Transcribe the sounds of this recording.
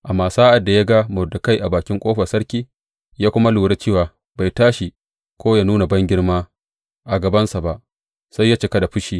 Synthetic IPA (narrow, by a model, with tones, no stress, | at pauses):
ʔa˨maː˨saː˦ʔa˨dːa˨ja˦ɡa˦mʊ˨dʊ˨ka˦jʔa˨baː˨kʲɪ˦ŋkʷʼoː˦ɸɐ˨sɐ˦ɽkʲiː˦ | jaː˦kʷʊ˦ma˦luː˨ɽɐ˦t͡ʃeː˦˨waː˨ | ba˨jtaː˦ʃi˨ | kʷoː˦jaː˦nuː˦na˨bɐ˦ŋɡʲɪ˦ɽmaː˦ | ʔa˨ɡɐ˨bɐ˦nsa˨ba˨ʔ | sa˦jːa˦t͡ʃɪ˨ka˦da˨ɸʊ˦ʃiː˦